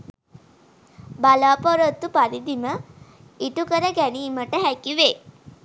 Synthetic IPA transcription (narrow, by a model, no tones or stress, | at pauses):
balaːpoɾət̪ːupad̪id̪imə | iʈukəɾəɡæniːməʈəɦækiʋe